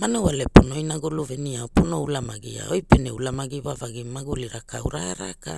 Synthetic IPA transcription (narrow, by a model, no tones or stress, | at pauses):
manowaleponojnaɡoluveniaoponoulamaɡḭa̰ojpeneulamaɡivavaɡimaɡuliɾakʰawɾaɾa̰ka